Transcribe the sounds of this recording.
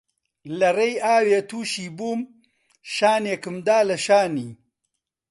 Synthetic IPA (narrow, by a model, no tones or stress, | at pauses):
lɐrejaːweːt̪ʰuːʃiːbuːm | ʃaːneːkɨmd̪aːlɐʃaːniː